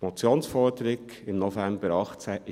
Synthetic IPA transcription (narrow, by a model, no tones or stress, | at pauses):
mɔt͡sjoːnsfɔɾdəɾɪɡ | ɪmnofæmb̥əɾɑχt͡sæʔɪ